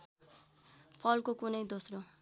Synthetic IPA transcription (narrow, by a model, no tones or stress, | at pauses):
pʰʌlkokunʌjd̪osɾo